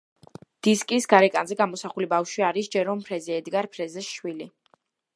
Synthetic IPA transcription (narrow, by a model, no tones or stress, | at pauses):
d̪̥iskʼisɡaɾɛkʼanzɛɡamɔsaχulibafʃwiaɾisd͡ʒɛɾɔmpʰɾɛzɛɛd̪ɡaɾpʰɾɛzɛʃwili